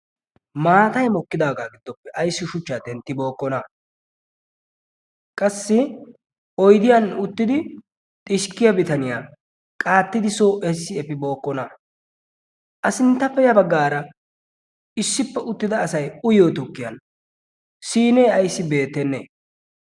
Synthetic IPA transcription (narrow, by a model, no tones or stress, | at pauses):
maːt̪ɐjmɔkːɪd̪aːɡaːɡɪd̪̥ːɔpːɛʔɐjsːɪʃʊt͡ʃːaːt̪ɛnt̪ːɪbo̞ːkːɔnɐ | kʼɐsːɪ | ɔjd̪ɪjɐnʊt̪ːɪd̪ɪ | t̪ʼɪʃkːɪjɐbɪt̪ɐnɪjaː | kʼaːt̪ːɪd̪ɪsoːʔɛsːɪɛpːɪbo̞ːkːɔnɐ | ʔɐsɪnt̪ːɐpːɛjɐbɐɡːaːɾɐ | ɪsːɪpːɛʔʊt̪ːɪd̪ɐːsɐjʊjoːt̪ʊkːɪjɐ̰n | siːneːɐjsːɪbe̞ːt̪ːɛnːḛː